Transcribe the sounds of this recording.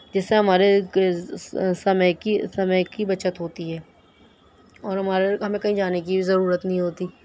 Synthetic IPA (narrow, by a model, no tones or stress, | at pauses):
d͡ʒɪsːeɦɐmaːɾe | sɐməjkisɐməjkibɐt͡ʃət̪ɦoːt̪iɦɛː | ɔːɾɦɐmaːɾeɦɐmẽkɐɦĩd͡ʒaːnek̬ibʱizɐɾuːɾət̪nɐɦĩɦoːt̪iː